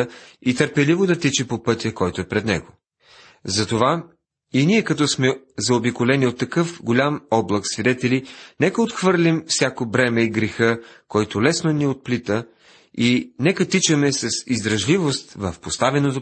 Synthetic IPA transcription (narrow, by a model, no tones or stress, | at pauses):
it̪əɾpɛlivod̪ɐt̪it͡ʃɛpopɤt̪ʲjəkɔjt̪oɛpɾɛd̪nɛ̰ɡo | zɐt̪ova | iniɛkɐt̪̬ɔsmɛzɐobikolɛniot̪ːɐkɤfɡolʲamɔblˠɐksvid̪ɛt̪ɛlinɛkəot̪xvɤɾlʲimfsʲakobɾɛmɛiɡɾɛxəkɔjt̪ʊlɛsnoniot̪̚plit̪ə | inɛkət̪it͡ʃəmɛsɐsizd̪ɾɐʒlivost̪vɐfpost̪avɛnot̪o